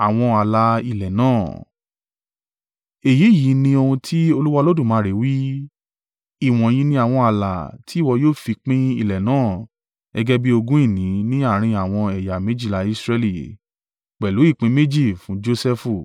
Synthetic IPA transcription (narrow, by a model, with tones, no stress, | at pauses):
a˨w̃ɔ̃˧a˨la˧˦i˨lɛ˨nã̰ː˦˨ | e˨ji˨˦˨ji˨˦nĩ˧o˧hũ˧tʰi˦o˧lu˦wa˦˧lo˦dũ˦˨mãː˨˦ɾe˨˦wi˦ | i˦˨w̃ɔ̃˨j̃ĩ˧nĩ˧a˦˨w̃ɔ̃˧a˨la̰˨ti˨˦˨wɔ˧joː˦˨fi˧k͡pĩ˦i˦˨lɛ˨nãː˦˨ | ɛ˧ɡɛ˦bi˦o˧ɡũ˦i˦˨nĩ˨˦nĩ˦a˦˨ɾ̃ĩ˧a˨w̃ɔ̃˧ɛ˨ja˨me˨˦d͡ʒi˦˨la˨˦i˧sɾɛ˧li˦˨ | k͡pɛ˨lu˨˦i˦˨k͡pĩ˨˦me˦d͡ʒi˦˨fũ˨˦d͡ʒo˧sɛ˦fu˦˨